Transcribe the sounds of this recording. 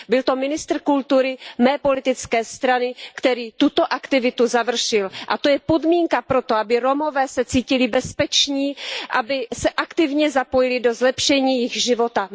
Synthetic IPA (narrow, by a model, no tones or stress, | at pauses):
bɪlt̪o̞mɪnɪst̪r̩kult̪uɾɪmɛːpo̞lɪt̪ɪt͡skɛːst̪ɾanɪkt̪ɛɾiːt̪ut̪o̞ʔakt̪ɪvɪt̪uzavr̩ʃɪlʔat̪o̞jɛpo̞dmiːŋkapɾo̞t̪oʔabɪɾo̞mo̞vɛːsɛt͡siːcɪlɪbɛspɛt͡ʃɲiːʔabɪsɛʔakt̪ɪvɲɛzapo̞jɪlɪdo̞zlɛpʃɛɲiːjɪxʒɪvo̞t̪a